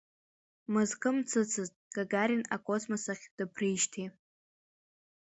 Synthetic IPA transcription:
mɨzkʰʼɨmt͡sʰɨt͡sʰɨztʼɡ̥aɡaɾʲina̰kʷʼosmasaχʲd̥ɨpʰriʃtʰi

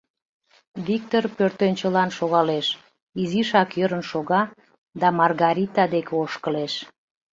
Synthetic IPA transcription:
βik̚t̪orpørt̪ønʲt͡ɕəlɑnʃoɣɑleʃ | iziʃɑkjəɾənʃoɣɑ | d̪ɑmɑrɣɑɾʲit̪ɑd̪ekeoʃkəleʃ

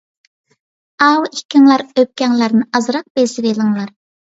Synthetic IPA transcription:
ɑwikʲʰːɪŋlˠɑɾøp̚kʲɛŋlˠæɾnɨʔɑzɾɑq̚besɪvelˠɨŋlˠɑɾ

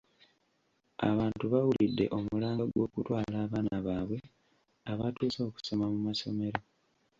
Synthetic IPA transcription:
a̰βaːntuβawulidːe̞̰ʔo̞mulaːŋɡaɡwo̞ːkutwaːlaːβaːnaβaːβwe̞ | aβatuːso̞ːku̥so̞mamumaso̞me̞ɾo̞

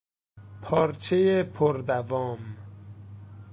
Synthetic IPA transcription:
pʰɒːɾt͡ʃʰejepʰoɾd̪ævɒːm

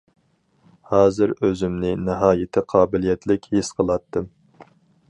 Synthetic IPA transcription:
hɑːzɨɾøzymnɪnɪɦɑːjɪt̪ʰɪqʰɑːbɪlijɛt̪ʰlɪkʲhesqʰəlˠɑt̪ːɨm

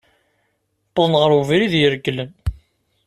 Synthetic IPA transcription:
t̪ːəðˤnʁəɾuviɾiðjəɾɡlən

